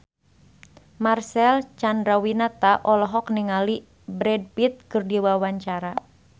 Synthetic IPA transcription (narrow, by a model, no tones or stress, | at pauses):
marsɛlt͡ʃandɾawinat̪aʔɔlɔɦɔkniŋali | bɾɛd̚pit̪̚kɨrdiwawaɲt͡ʃaɾa